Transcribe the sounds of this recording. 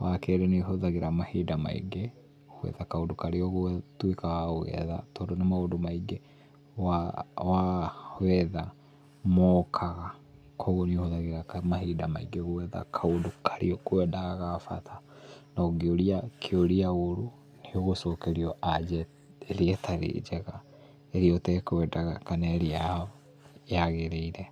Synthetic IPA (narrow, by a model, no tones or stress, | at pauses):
wakɛɾɛniɦoðaɣeɾamahidama̰ḭɡe | owɛ̰ðakaondokaɾeɔɣotwekaɣaoɣɛ̰ða̰tɔːndonamaondomaiɡe | wawawɛða | mɔkʰaɣa | kʰɔɣonihoðaɣeɾamaɦiːdama̰iɡeɣowɛða̰kʰaondokʰḁɾḭɔkoɛdaɣaɣafa̰tʰa | naoɡioɾiakʰeoɾiaɣoɾo | neoɣosɔkeɾiɔad͡ʒɛ | eɾiɛtʰaɾḛd͡ʒɛɣa | eɾiɔtɛkowɛdaɣa̰kanaɾia | aɣeɾeiɾɛ